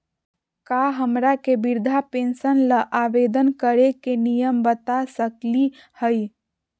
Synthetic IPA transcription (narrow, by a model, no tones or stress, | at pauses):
kaɦəmɾakebiɾd̪ʱapensənləʔaʋed̪ənkəɾekenijəmbət̪asəkli | həj